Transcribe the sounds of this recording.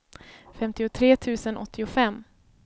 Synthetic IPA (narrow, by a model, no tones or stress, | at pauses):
fɛmt̪ɪʊt̪ʰɾeːt̪ʰʉ̟ːsənʔɔ̰t̪ʰːɪʊfɛmː